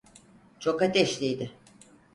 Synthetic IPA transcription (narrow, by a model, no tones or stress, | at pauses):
t͡ʃʰo̞kat̪ʰɛʃlʲijd̪ɪ